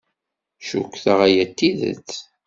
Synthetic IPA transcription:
ʃukʷːθəʁæjæt̪ːiðə̰t͡sː

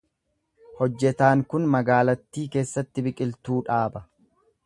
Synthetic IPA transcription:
hɔd͡ʒːɛt̪aːŋkʊnmɐɡaːlɐt̪ːiːke̞ːsːɐt̪ːɪbɪkʼɪlt̪uːᶑaːbɐ

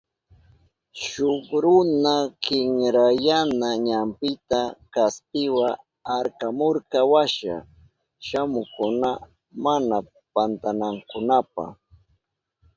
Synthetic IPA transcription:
ʃokɾʊnakɪŋɾajanaɲampɪt̪akaspɪwa | aɾkamoɾkawaʃa̰ | ʃamʊkʊna | mana | pant̪anaŋkʊnapa̰

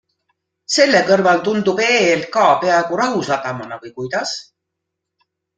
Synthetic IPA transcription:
se̞lːe̞kɤrvɑlt̪und̪upe̞ːl̚kɑːpe̞ɑeɡuɾɑɦusɑt̪ɑmɑnɑvɤjkujd̪̥ɑs

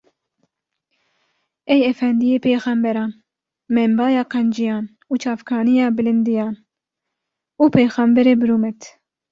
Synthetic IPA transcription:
ɛjɛfɛnd̪ijeːpʰeːxɛmbɛɾɑːn | mɛmbɑːjɑːqɛnd͡ʒijɑːn | uːt͡ʃʰɑːfkʰɑːnijɑːbɨlɪnd̪ijɑːn | uːpʰejxɑmbɛɾeːbɨɾuːmɛt̪

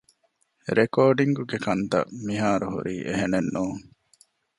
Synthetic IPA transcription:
ɾekoːɖiŋɡuɡekɐnt̪ɐ̰miɦaːɾuɦṵɾiːʔeɦenenːuːŋ

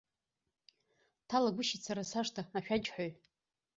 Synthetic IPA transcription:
tʰalaɡʷʊʃit͡sʰaɾasaʂtʰaaʃᶣad͡ʒʼħʷᶣoj

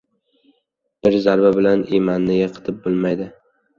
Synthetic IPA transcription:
b̥ɪɾzaɾbabɪlanemanːɪɡʲaqʰɨ̥t̪ʰɪp̚bɪlˠmajd̪ɪ

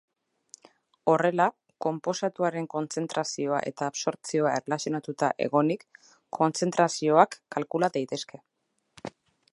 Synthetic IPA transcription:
o̞re̞la | ko̞mpo̞sat̪uaɾe̞ŋko̞nt͡se̞nt̪ɾasio̞a̰ʔe̞̰t̪aːβso̞ɾt͡sio̞aerelasjo̞nat̪ut̪a̰ʔe̞̰ɣo̞nikʰː | o̞nt͡se̞nt̪ɾasio̞akːalkulaðajt̪e̞ske̞

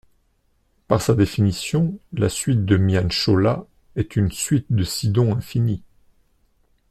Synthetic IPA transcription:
paʁsad̪efinisjɔ̃lasɥit̪̚d̪əmjanʃola | ɛt̪ynsɥit̪̚d̪əsid̪ɔ̃ɛ̃fini

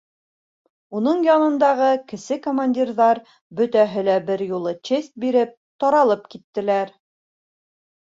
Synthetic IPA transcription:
unɤɴjɒnɤ̆nd̪ɑʁɤkɘ̆sɘkomanʲdʲirðɑɾ | bɵ̆t̪æɦɘ̆læbɘɾjulˠɤt͡ɕest̪̚biɾɘp̚ | t̪ɒɾɑlˠɤpkit̪ːɘ̆læɾ

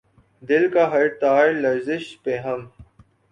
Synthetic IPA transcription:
d̪ɪlkaɦɐɾt̪aːɪlɐɾzɪʃpeɦɐm

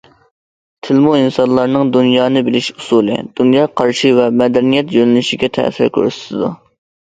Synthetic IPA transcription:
t̪ʰɪlmuinsɑnlˠɑɾnɨŋd̪unjɑːnɨbɪlɪʃusuːlˠɨ̰d̪̥unjɑːqʰɑɾʃivɛmɛd̪ɛnijɛt̪jønɪlyʃiɡʲɛt̪ʰɛ̰ːsɪɾkʲʰø̰ɾsɪ̥t̪ʰɪd̪u

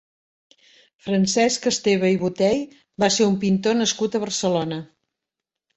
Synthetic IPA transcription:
fɾənsɛskəst̪eβəiβut̪ɛj | baseumpint̪onəskut̪əβ̞əɾsəlonə

